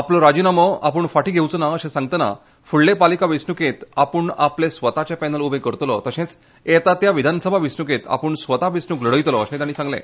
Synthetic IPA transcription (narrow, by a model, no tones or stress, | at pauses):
aplɔɾad͡ʑinaməa̰pəɳfaʈʰiːɡʱewt͡sənaəɕẽsãŋɡ̚t̪əna̰ | fuɭlːepalikaʋisnuket̪apəɳaplesʋət̪at͡ɕapɛnəlubʱẽkəɾt̪lɔ̰t̪əɕẽt͡s | et̪at̪jaʋid̪ʱansəbʱaʋisnuket̪a̰pəɳsʋət̪aʋisnukləɽəjt̪lɔəɕẽt̪añiːsãŋɡlḛ̃